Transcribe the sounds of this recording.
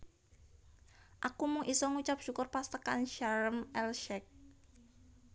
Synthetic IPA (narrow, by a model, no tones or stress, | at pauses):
ʔakumʊŋʔisɔŋut͡ʃap̚ʃukʊrpast̪əkanʃaɾəmɛlʃɛk̚